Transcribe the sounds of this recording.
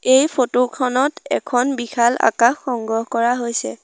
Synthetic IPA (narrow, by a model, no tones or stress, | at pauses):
ejpʰotokʰɔnɔtɛ̰kʰɔnbixʰala̰kaxːɔŋɡɔɦkɔɹaɦojsɛ